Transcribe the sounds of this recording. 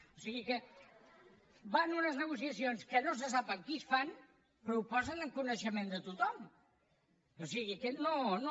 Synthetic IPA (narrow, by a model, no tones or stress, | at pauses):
osiɣikə | banunəznəɣ̞usiəsionskənos̬əsapəŋkisfan | pɾupɔzənəŋkunəʃəmẽnd̪ət̪ut̪ɔm | osiɣikənono